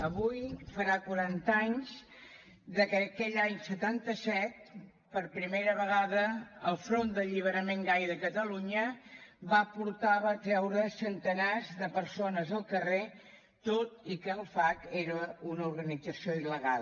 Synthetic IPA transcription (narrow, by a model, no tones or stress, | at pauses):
əβujfəɾakwəɾant̪aɲz | d̪əkəkɛʎaɲsət̪ant̪əsɛt̪̚ | pəɾpɾimejɾəβəɣaðəəlˠfɾond̪əʎiβ̞əɾəmeŋɡajðəkət̪əluɲəbapuɾt̪aβat̪ɾɛwɾəsənt̪ənazðəpəɾsonəzəlˠkəre | t̪ot̪ikəlˠfakeɾəunəuɾɣənid͡zəsioiləɣalˠ